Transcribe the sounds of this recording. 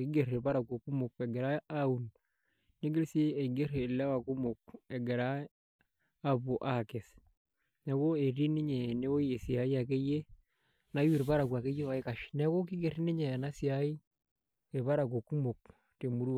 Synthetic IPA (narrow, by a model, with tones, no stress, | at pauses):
ki˦ɡe˨ri˨ɾba˦ɾa˨ko˨ku˦mo˨ke˨ɡe˨ɾa˦a˦u˨n | ne˦ɡi˦lse˦e˨ɡe˦re˨la˦wa˨ku˦mo˨k̚e˨ɡe˨ɾa˦ | a˦bo˨ʔa˦ke˨s | ne˨ko˦e˨ri˦ni˦ɲe˨ne˦wo˦je˨si˨a˨i˦a˨ke˦je˦ | na˦wi˨ɾpa˦ɾa˨ku˨a˨ke˦je˦wa˨˦i˦ka˨ʃne˦ko˦ki˦ɡe˨ri˦ni˦ɲe˨na˦si˨a˦i˦ | e˨βa˦ɾa˨k̬o˨ku˦mo˨k̚ | te˨mu˦ɾu˦˨